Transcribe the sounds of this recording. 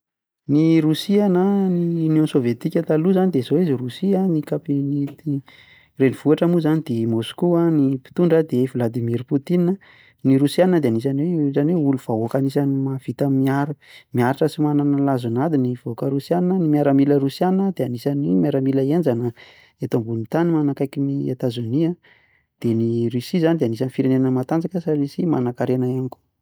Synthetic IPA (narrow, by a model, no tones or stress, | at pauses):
niɾusianəninonsovet̪ikʲat̪aluzanid̪ezoizirusianikapinit̪i | reniv̥uaʈ͡ʂamuzanid̪̥emoskuanipi̥t̪uɳɖ͡ʐəd̪evilad̪imiɾput̪ini | niɾusiannəd̪eanis̬anwezanweuluv̥aokanisanimav̥it̪amiaɾamiaɾaʈ͡ʂəsimananalazunad̪inivaokəɾusjannənimiaɾəmiləɾusjannəd̪eanisanimaɾamiləend͡ʒanə | et̪oambunit̪animanakajkinia̰t̪azoniə | d̪̥eniɾisizanid̪eanisanifiɾenenəmat̪and͡zakəsaɾesimanakaɾenəaniko̥